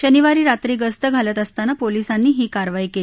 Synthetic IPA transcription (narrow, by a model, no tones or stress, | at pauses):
ɕəniʋaɾiːɾat̪ɾiːɡəst̪əɡʱalət̪əst̪anapolisanːiːɦiːkaɾʋaiːkeli